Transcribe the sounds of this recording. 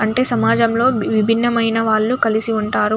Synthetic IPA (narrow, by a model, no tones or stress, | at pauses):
ɐɳʈe̞ːsɐmaːd͡ʒɐmlo̞ːʋibʱinːɐmɐjnɐʋaːɭːukɐlisiuɳʈaːɾu